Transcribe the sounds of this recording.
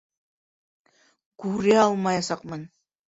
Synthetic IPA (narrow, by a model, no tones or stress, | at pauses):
kuɾeɑlˠmɑjɑsɑqmɤn